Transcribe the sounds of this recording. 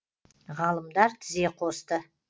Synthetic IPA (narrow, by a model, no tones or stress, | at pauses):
ʁɑlˠəmd̪ɑɾt̪ʰɪze̞qʰo̞st̪ə